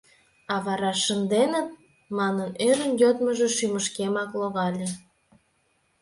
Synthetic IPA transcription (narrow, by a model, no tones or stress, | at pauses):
ɑβɑɾɑʃənd̪enət̪̚ | mɑnənøɾənjot̪məʒeʃyməʃkemɑkloɣɑlʲĕ